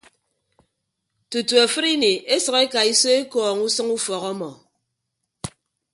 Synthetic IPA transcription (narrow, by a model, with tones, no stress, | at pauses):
tu˨tu˨a˨fɨ˦ɾi˦ni˨ʔe˦sʌ˨ke˦ka˨i˦so˦e˦kɔː˨ŋu˦sɨ˦ŋu˦fɔ˨ɣɔ˦mɔ˨